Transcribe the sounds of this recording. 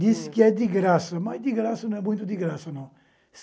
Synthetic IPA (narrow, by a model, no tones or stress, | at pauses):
d̪iskɨɛd̪ɨɣɾasɐmɐd̪ɨɣɾasɐnɐ̃w̃ɛmũj̃t̪ud̪ɨɣɾasɐnɐ̃w̃ | s